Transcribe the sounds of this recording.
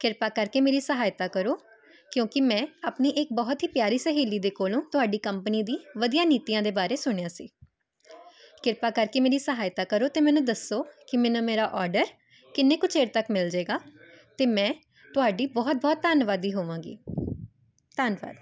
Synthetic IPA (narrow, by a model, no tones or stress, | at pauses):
kɪɾpaːkəɾkeːmeːɾiːsəɦaːjt̪aːkəɾoː | kjõːkɪmɛ̃ːaːpniːʔɪk̚bɔːt̪ɦiːpjaːɾiːsəɦiːliːd̪eːkoːlõːt̪ʊɦaːɖiːkəmpəniːd̪iːʋəd̪ijãːniːt̪ijãːd̪eːbaːɾeːsʊɳ̃jaːsiː | kɪɾpaːkəɾkeːmeːɾiːsəɦaːjt̪aːkəɾoːt̪eːmɛ̃ːnũːd̪əsoːkɪmɛ̃ːnũːmeːɾaːʔɔːɾɖəɾ | kɪnːeːkʊt͡ʃʰeːɾt̪əkmɪld͡ʒeːɡaː | t̪eːmɛ̃ː | t̪ʊɦaːɖiːbɔːt̪̚bɔːt̪ːaːnʋaːd̪iːɦoːʋãːɡḭː | t̪aːnʋa̰ːd̪